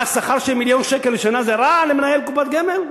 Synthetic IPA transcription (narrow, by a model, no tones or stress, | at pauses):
asaχaɾʃelmiljonʃekelːʃanazeɾalemenajelkupat̪̚ɡemel